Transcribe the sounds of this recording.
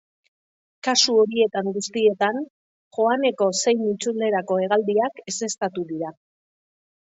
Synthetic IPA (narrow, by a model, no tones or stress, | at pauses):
kasuo̞ɾie̞t̪aŋɡust̪ie̞t̪an | ʝo̞ane̞ko̞se̞jmit͡suld̪e̞ɾako̞e̞ɣ̞ald̪iake̞se̞st̪at̪uðiɾa